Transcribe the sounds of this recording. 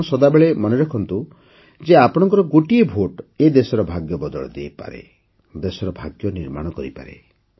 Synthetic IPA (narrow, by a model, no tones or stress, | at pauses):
sɔd̪abeɭemɔnɔɾɔkʰɔnt̪u | d͡ʒeapɔɽ̃ɔŋkɔɾɔɡoʈiebʱoʈed̪esɔɾɔbʱaɡjɔbɔd̪ɔɭɔ̰d̪ḛjpa̰ɾḛ | d̪esɔɾɔbʱaɡjɔniɾmaɽ̃ɔkɔɾipa̰ɾḛ